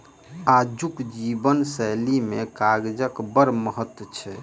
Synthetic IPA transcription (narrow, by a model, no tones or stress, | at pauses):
ad͡ʒukd͡ʒibənsɛlimekaɡd͡ʒəkbəɾməɦət̪wət͡ʃʰɛ